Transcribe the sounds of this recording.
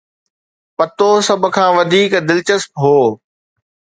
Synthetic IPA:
pɐt̪osɐb̆ʱkʰãːʋɐd̪ʱiːkd̪ɪlt͡ɕəspɦoː

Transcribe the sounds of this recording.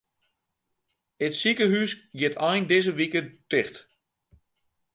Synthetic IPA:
ətsikəɦysɡjɪtʰɔjndɪzəʋikətɪxt

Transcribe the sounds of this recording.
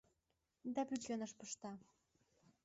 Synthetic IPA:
d̪ɑpyt͡ʃʲenəʃpəʃt̪ɑ

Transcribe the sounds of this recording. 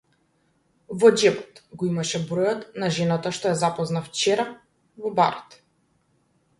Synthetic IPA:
vɔd͡ʒɛpɔ̥t̪ɡɔimaʃɛbɾɔjɔt̪naʒɛnat̪aʃt̪ɔɛzapɔznaft͡ʃɛɾa | vɔba̰ɾɔt̪

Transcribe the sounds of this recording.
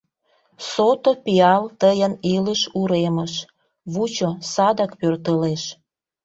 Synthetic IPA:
sot̪opiɑlt̪əjənileʃuɾeməʃ | βut͡ɕosɑd̪ɑkpørt̪əleʃ

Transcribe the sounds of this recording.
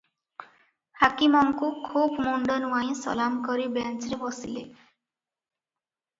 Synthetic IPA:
hakimɔŋkukʰubmuɳɖɔnuaj̃sɔ̰lamkɔɾibent͡ʃɾebɔsḭle

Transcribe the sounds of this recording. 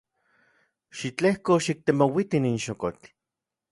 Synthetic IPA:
ʃit͡ɬehkoʃik̚t̪emowit̪ininʃokot͡ɬ

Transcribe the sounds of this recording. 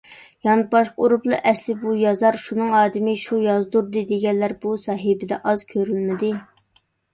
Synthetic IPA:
jɑnɨbɑʃqoɾuplˠɨʔɛslɪbujɑzɑɾʃunɨŋɑːd̪ɪmɪʃujɑzd̪uɾd̪ɨd̪eɡʲɛnlæɾbusɑːɦɪbɪd̪ɛ̰ʔɑz̥kʲʰøɾylmɪd̪ɪ

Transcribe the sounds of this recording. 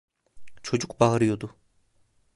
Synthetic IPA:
t͡ʃʰo̞d͡ʒukbaɦaɾɯjod̪u

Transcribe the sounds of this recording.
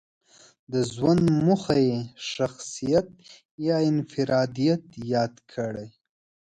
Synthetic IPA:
d̪əzwand̪muxajeʃaxsijat̪̚ | jɑɪnfɪɾɑd̪ijat̪jɑd̪kʰəɽaj

